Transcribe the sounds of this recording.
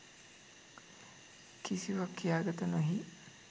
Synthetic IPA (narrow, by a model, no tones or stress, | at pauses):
kisiʋɐkːijaːɡɐt̪ɐnɐɦi